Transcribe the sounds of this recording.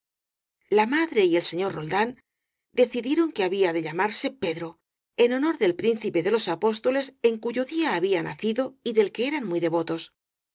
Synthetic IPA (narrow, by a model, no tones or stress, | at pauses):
lamaðɾe̞ie̞lse̞ɲo̞ɾro̞ld̪an | d̪e̞θiðje̞ɾo̞ŋke̞aβiaðe̞ʎamaɾse̞pe̞ðɾo | e̞no̞no̞ɾðe̞lpɾin̟θipe̞ðe̞lo̞sapo̞st̪o̞le̞se̞ŋkuʝo̞ðiaːβiana̰θiðo̞iðe̞lke̞eɾanmujðe̞βo̞t̪o̞s